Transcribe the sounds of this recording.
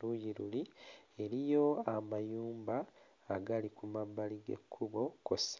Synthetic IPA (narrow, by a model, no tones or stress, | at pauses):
lujiɾulie̞ɾijo̞amajuːmbaː | ɡalikumabːaliɡe̞̰kʰːuβo̞kos